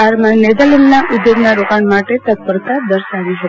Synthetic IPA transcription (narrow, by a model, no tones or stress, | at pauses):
aɾmaned̪alinnaʔʊd̪joɡnaɾokaɳmaʈet̪ət̪̚pəɾt̪ad̪əɾsaʋiʃə